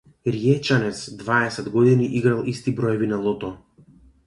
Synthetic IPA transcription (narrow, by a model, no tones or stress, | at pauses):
ɾiɛt͡ʃanɛt̪sd̪vaɛsɛd̪ɡɔd̪iniʔiɡɾalˠist̪ibɾɔjɔvinalˠɔt̪ɔ